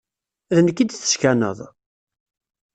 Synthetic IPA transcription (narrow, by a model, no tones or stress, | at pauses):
ðənkːid̪θə̥ʃkænə̰ðˤ